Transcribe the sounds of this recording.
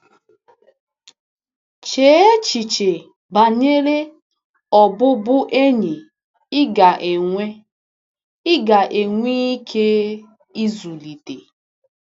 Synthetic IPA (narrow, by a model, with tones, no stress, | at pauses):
t͡ʃe˨˦e˦t͡ʃi˨t͡ʃe˨ | ba˨ɲe˦ɾe˦ | ɔ˨bʊ˦bʊ˦ʔe˦ɲi˨ | ɪ˦ɡa˨ʔe˨ŋʷe˦ | ɪ˦ɡa˨ʔe˨ŋʷi˦i˦kʰe˦ | i˦zu˨li˨de˨